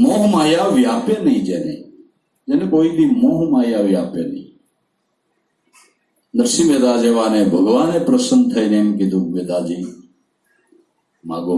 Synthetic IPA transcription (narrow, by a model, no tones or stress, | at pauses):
moːɦmaːjaːʋɪjaːpeːnəĩːd͡ʒeːnḛː | d͡ʒeːnẽkoːiːd̪iːmoːɦmaːjaːʋɪjaːpḛːnə̰ḭ̃ː | nəɾsiːmeːd̪aːd͡ʒeːʋaːneːbʱəɡʋaːnẽːpɾəsən̚t̪ʰəiːneːmkid̪ukmeːd̪aːd͡ʒiː | ma̰ːɡoː